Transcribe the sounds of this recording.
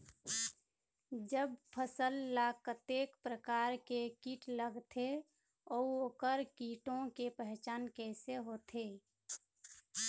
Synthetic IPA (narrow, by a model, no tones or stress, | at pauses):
d͡ʒəb̚pʰəsəlːakət̪eːkpɾəkaːɾkekiːʈləɡt̪ʰe | ɔoːkəɾkiːʈõkepɛɦt͡ʃaːnkɛːseɦoːt̪ʰe